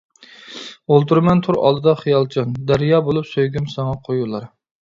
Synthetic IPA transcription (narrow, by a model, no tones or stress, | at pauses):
olˠt̪ʰuɾmɛnt̪ʰuɾɑ̰lˠd̪ɨd̪ɑχijɑlˠt͡ʃʰɑnd̪æɾjɑːbolˠupsøjɡʲymsɑŋɑqʰojulˠɑɾ